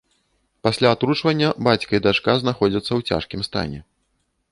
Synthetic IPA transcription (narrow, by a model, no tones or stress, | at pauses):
pasʲlʲaːt̪ɾut͡ʂvɐnʲːɐbat͡sʲkɐid̪aʂkaznaxɔd͡zʲɐt̪sːɐwt͡sʲa̰ʂkʲimst̪a̰nʲɛ̰